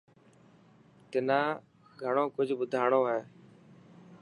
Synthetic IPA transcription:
t̪ɪnãː | ɡʱəɳ̃õːkʊd͡ʒʱɓʊd̪ʱaːɳoːaːɦeː

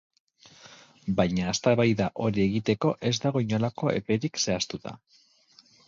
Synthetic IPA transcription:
bajɲaːst̪aβajðaʔo̞ɾie̞ɣit̪e̞ko̞ʔe̞zd̪aɣo̞iɲolako̞e̞̰pe̞ɾikse̞ast̪ut̪a̰

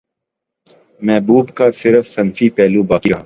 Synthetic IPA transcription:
mɛːbuːbkaːsɪɾəfsɐnfiːpɛːlũːbaːkiaː

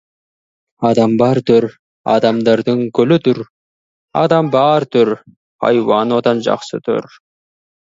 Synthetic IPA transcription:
ɑd̪ɑmbɑɾt̪uɾ | ɑ̰d̪ɑmd̪ɑɾd̪ɯŋkɵlyt̪uɾ | ɑ̰d̪ɑmbɑːɾt̪uɾ | hɑ̰jwɑnad̪ɑnd͡ʒɑ̰qsɯ̰t̪ʰṵɾ

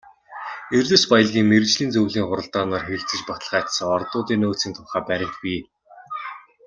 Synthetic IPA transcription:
ert̪ɘ̆spajə̆ɮɣʲiːŋmert͡ɕɮiːnt͡sɵwɮiːŋχʊɾə̆ɮt̪ɔːnɔːrxeɾɘ̆kt͡sɘ̆t͡ɕpɔt̪ə̆ɮʁæːt̪sə̆ŋɔrt̪ʊːt̪iːnoːt͡sĭːnt̪ʰʊrχaːpæɾʲɪ̆kpiː

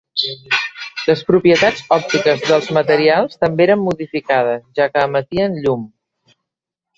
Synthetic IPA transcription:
ləspɾupjət̪ad͡zɔp̚t̪ikəzðəlˠzmət̪əɾialˠst̪əmbeeɾəmːuðifikað̞əsʒakəːmət̪iənʎum

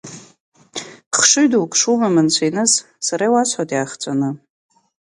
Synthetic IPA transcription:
χʂɨɥdowkʼʂumamɨnt͡ɕʷʰejnɨz | saɾajwasʰʷħatʼjaχt͡sʷʼanɨ

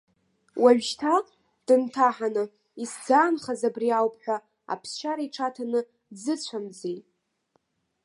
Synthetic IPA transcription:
waɥᶣʒtʰa | d̥ɨntʰaħanɨ | isd͡zaːnχazabriawpʰħʷᶣa | a̰pʰst͡ʃaɾaiʈ͡ʂʰatʰanɨ | d͡zɨt͡ɕʷʰamd͡zej

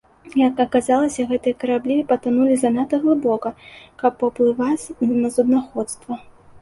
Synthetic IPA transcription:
jɐkɐkazalˠɐsʲɐɣɛt̪ɨjɐkɐɾablʲipɐt̪ɨnulʲizɐnat̪ɐɣlˠɨbɔkɐkɐpːɐplˠɨvat͡sʲnɐzud̪naxɔt̪st̪vɐ

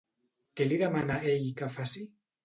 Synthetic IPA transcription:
keliðamanaʔejkafasi

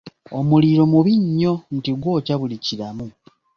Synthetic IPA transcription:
omuliɾo̞muβiɲːo̞n̩tiɡwo̞ːcaβuliciɾamu

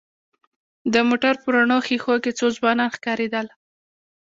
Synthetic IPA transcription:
d̪əmoʈaɾpəɾaɳoxixoket͡sozbɑnɑnxkɑɾed̪əl

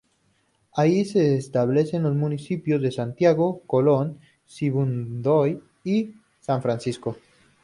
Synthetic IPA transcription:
aise̞ːst̪aβle̞se̞nlozmũnisipjozðesant̪jaɣokolon | siβund̪oj | i | saɱfɾansisko̞

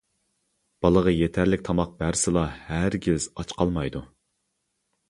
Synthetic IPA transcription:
b̥ɑlˠəʁɑjet̪ʰæɾlɪk̚ʲt̪ʰɑmɑq̚bæɾsɨlˠɑhæɾɡʲɪz̥ɑt͡ʃqʰɑlˠmɑjd̪u

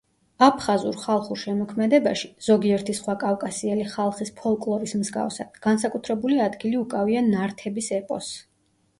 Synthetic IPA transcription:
apʰχazuɾχalˠχuɾʃɛmɔkʰmɛd̪ɛbaʃi̥z̥ɔɡiɛɾt̪ʰisχwakʼafkʼasiɛliχalˠχispʰɔlˠkʼlˠɔɾismzɡa̰fsa̰d̪ɡ̥ans̬akʼut̪ʰɾɛbuliad̪ɡiliukʼavianaɾt̪ʰɛbisɛpʼɔ̰s

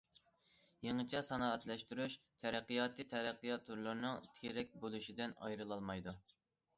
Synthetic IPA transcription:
jeŋɨt͡ʃʰɛsɑnɑːɛt̪lɛʃt̪yɾyʃt̪ʰɛɾɛqːijɑːt̪ʰɨt̪ʰɛɾæqːijɑt̪ʰːuɾlˠɨɾnɨŋt̪ʰeɾɛk̚ʲbolˠuʃid̪ɪnɑ̰jɾɨlˠɑlˠmɑjd̪u

